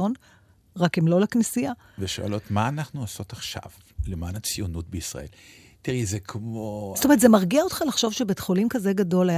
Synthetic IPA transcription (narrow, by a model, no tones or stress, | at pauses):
on | ʁakimlo̞leknisija | veʃo̰a̰lo̞tmaːnaχnuaso̞taχʃa̰v | lemaːnat͡sijunut̚beisʁa̰ʔe̞̰l | t̪iʁɛzekʰmostometzmaʁɡiaot̪χalaχʃo̞vʃebet̪χolimkazeɡado̞laj